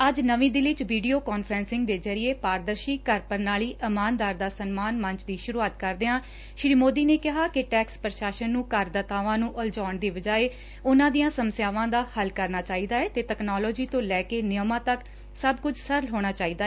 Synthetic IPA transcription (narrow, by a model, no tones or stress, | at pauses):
əd͡ʒnəʋĩːd̪ɪlɪt͡ʃʋiːɖijoːkaːnfʰɾɛːnsɪ̃ŋɡ̚d̪eːzəɾɪjeːpaːɾd̪əɾʃiːkəɾpəɾnaːliːʔɪmaːnd̪aːɾd̪aːsənmaːnmə̃ɲt͡ʃd̪iːʃʊɾuːaːt̪kəɾd̪eːãː | ʃɪɽiːmoːd̪iːneːkɪɦaːkɪʈɛːkspəɾəʃaːʃənːũːkəɾd̪ət̪aːʋãːnũːʔəld͡ʒɔːɳd̪iːʋəd͡ʒaːeː | ʊnãːd̪ijãːsəməsjaːʋãːd̪aːhəlkəɾnaːt͡ʃaːiːd̪aːɛːt̪eːʈɛːknɔːlɔːd͡ʒiːt̪õːlɛːkeːnɪjəmãːt̪ək | səbkʊd͡ʒʰsəɾlɦoːɽ̃aːt͡ʃaːiːd̪aːɛː